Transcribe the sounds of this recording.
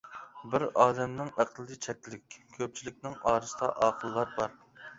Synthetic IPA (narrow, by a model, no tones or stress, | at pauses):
bɪɾɑːd̪ɛmnɪŋæqʰlˠɨd̪ɨt͡ʃʰɛkʲlɪkʲkʲʰøp̚t͡ʃʰilɪk̚ʲnɪŋɑːɾɨsɨ̥t̪ɑ̰ʔɑːqʰəlˠːɑɾbɑɾ